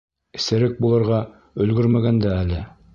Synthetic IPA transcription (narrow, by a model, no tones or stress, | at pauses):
ɘ̥̆sɘ̆ɾɘk̚bulˠɤ̆ɾʁɑ | ɵ̆lɡɵɾmæɡænd̪æːlɘ